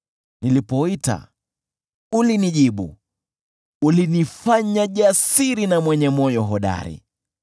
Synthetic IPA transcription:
nilipɔita̰ | uliniʄiɓṵ | ulinifaɲaʄasiɾinamwɛɲɛmɔjɔɦɔɗa̰ɾḭ

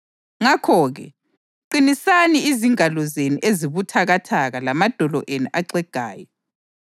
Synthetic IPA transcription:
ŋakʰɔːɣɛ̰ | ǃinisaniiziŋalɔzenuʔeziβutʰaɣatʰaɣalamad̥ʱɔlɔ̰ʔenuʔaǀɛɡ̥ʱa̰ːjɔ

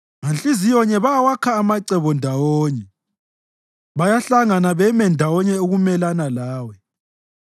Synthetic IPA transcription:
ŋant͡ɬʼizijɔɲɛβawakʰaːmaǀɛβɔndʱawoːɲɛ | βajaɬaŋanaβɛmɛndʱawɔɲɛoɣumɛlanalaːwɛ

